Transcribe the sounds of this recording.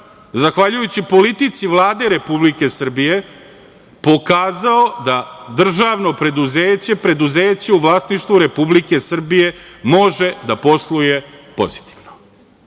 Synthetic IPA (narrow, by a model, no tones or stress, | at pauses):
zaxʋaʎujut͡ɕipo̞lit̪it̪siʋlˠaːd̪e̞ɾe̞publike̞sr̩bije̞ | po̞kaːzaod̪ad̪r̩ʒaʋno̞pɾe̞d̪uzeːt͡ɕe̞pɾe̞d̪uzeːt͡ɕe̞uʋlˠaːsniʃt̪ʋuɾe̞publike̞sr̩bije̞mo̞ʒe̞d̪apo̞slˠuje̞po̞̰zi̥t̪i̥ʋno